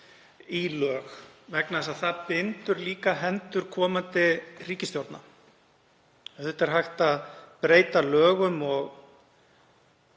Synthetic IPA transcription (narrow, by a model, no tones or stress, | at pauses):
ilœːxvɛknaðɛsaðθaðpɪnt̪ʏɾliːkaɦɛnt̪ʏɾ̥kʰɔːmant̪ɪriːcɪst̪jowɾt̪na | θɛt̪ːɛɾ̥ɦajxt̪aðpɾeːjt̪alœːɣʏmɔɣ